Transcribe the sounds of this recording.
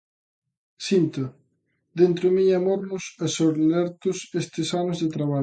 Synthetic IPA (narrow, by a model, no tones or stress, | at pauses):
sint̪ɐ | d̪ent̪ɾʊmiamoɾnʊsɐsoɾnɛɾt̪ʊsest̪ɪsanʊzðet̪ɾaβa